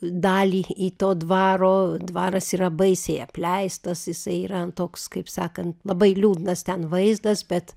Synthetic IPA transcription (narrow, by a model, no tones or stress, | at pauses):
d̪ɑːlʲiːiːt̪oːd̪ʋɑːɾoːd̪ʋɑːɾɐsiːɾɐbɐɪsʲɛɪɐpʲlʲɛɪst̪ɐsjɪsɐɪiːɾɐɐnt̪oːkskɐɪpsɑːkɐnt̪lˠɐbɐɪlʲuːd̪ʲnɐst̪ʲɛnʋɐɪzd̪ɐsbʲɛt̪